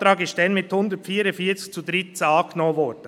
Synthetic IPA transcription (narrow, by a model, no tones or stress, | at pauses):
t̪ɾɑːɡɪstd̥ɛnmɪt̪hʊnd̪ətfiːɾəfiːt͡sɪ̥t͡sud̪ɾɪtt͡sɑːknoːʋɔd̥ə